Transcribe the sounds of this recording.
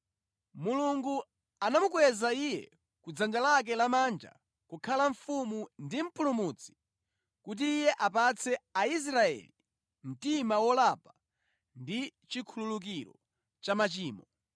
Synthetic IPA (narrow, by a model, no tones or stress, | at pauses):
muluŋɡu | anamukwɛzaijɛ̰ | kud͡zand͡ʒalak̬ɛlamaːnd͡ʒa̰ | kukʰalaɱfumundim̩pulumut͡sʰi̥ | kut̬iːjɛʔapat͡sʰɛais̬ɾaɛ̰li | m̩timawɔlapa | ndit͡ʃikʰululuk̬iɾɔ̰ | t͡ʃamat͡ʃiːmɔ